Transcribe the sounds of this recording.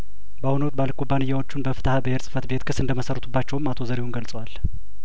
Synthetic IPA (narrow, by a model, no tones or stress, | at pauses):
bəhunəwt̪̚balkʰʼubːanɨjːawo̞t͡ʃːunbəfɨ̥t̪ʰahabəheɾsʼɨ̥fət̪be̞t̪kʰɨsɨnd̪əməsərət̪ʰubːat͡ʃːɛwɨmːat̪ʰo̞zəɾihunɡəlt͡sʼəwal